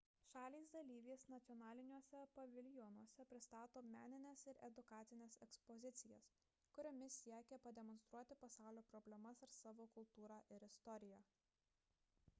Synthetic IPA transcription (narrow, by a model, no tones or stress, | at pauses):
ʃɑːlʲiːsd̪ɐlʲiːʋʲeːsnɐt̪ʲɪjɔnɑːlʲɪnʲuɔsʲɛpɐʋʲɪlʲjɔnuɔsʲɛpʲɾʲɪst̪ɑːt̪oːmʲæːnʲɪnʲesɪɾʔɛd̪ʊkɑːt̪sʲɪnʲeːsɛkspɔzʲɪt̪sʲɪjɛ̰s | kʊɾʲomʲɪsʲiɛkʲɛpɐd̪ʲɛmɔnst̪ɾuɔt̪ʲɪpɐsɑˑʊlʲoːpɾɔbʲlʲɛmɐsɪɾsɑːʋoːkʊlˠt̪uːɾɑːʔɪɾɪst̪ɔɾʲɪjæː